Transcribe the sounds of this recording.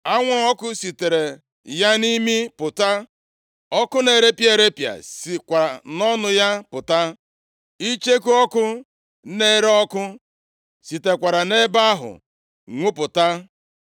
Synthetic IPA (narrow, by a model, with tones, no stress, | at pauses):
a˦ŋʷɔ˦ɔ˦kʊ˦si˨te˨ɾe˨ | ja˦ni˦mi˦pʊ˨ta˦ | ɔ˦kʊ˦ne˨ɾe˦pje˨ɾe˦pja̰˨si˨kʷa˨ɾa˨nɔ˦nʊ˦ja˦pʊ˨ta˦ | i˦t͡ʃe˦ku˦ɔ˦kʊ˦ | ne˦ɾɔ˦kʊ˦ | si˨te˨kʷa˨ɾa˨ne˦ba˦ɦʊ̰˨ | ŋʷu˦pʊ˨ta˦